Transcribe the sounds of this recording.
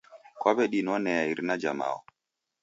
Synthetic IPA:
kɔbɛɗinɔnɛjaiɾnad͡ʒama̰ɔ̰

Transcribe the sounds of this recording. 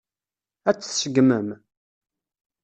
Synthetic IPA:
æt͡sːθsəɡməm

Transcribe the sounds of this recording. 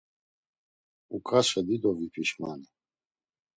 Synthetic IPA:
ukʼaʃɛd̪id̪ɔvipʰʼiʃmani

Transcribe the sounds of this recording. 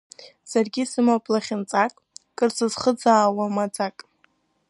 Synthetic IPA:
sarɡʲisɨmapʼlaχʲɪnt͡sʼakʼkʼɨrzɨzχəd͡zaːwamad͡zakʼ

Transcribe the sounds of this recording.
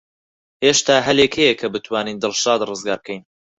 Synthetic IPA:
heːʃt̪aːɦɐleːkʰejekʰɐbɨt̪ʰwaːniːnd̪ɨlˠʃaːd̪rɨzɡaːɾb̚kʰɛjn

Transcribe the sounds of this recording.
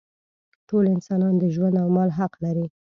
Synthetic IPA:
ʈolɪnsɑnɑnd̪əʒwand̪awmɑlɦaqlaɾi

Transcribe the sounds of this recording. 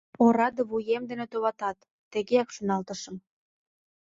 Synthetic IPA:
oɾɑd̪ə̆βujemd̪ĕnĕt̪oβɑt̪ɑt̪ːĕɣeɑkʃonɑlt̪əʃə̆m

